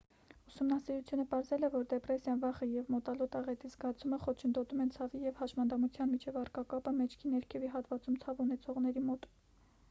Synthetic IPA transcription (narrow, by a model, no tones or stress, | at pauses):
usumnɑsiɾut͡sʰjunəpɑɾzɛlɛvɔɾd̪ɛprɛsjɑnvɑχəjɛvmɔt̪ɑlɔt̪ɑʁɛt̪izɡɑt͡sʰuməχɔt͡ʃʰənd̪ɔt̪umɛnt͡sʰɑvijɛvhɑʃmɑnd̪ɑmut͡sʰjɑnmit͡ʃʰɛvɑrkɑkɑpəmɛt͡ʃʰkʰinɛɾkʰɛviɦɑt̪vɑt͡sumt͡sʰɑvunɛt͡sʰɔʁn̪ɛɾimɔt̪